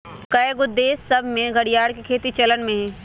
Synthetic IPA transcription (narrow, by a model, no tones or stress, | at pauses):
kɐeɡʊd̪eːsːɐbʱmẽɡʱɐɽijaːɽkekʰeːt̪it͡ʃɐlənmẽɦɛ̃ː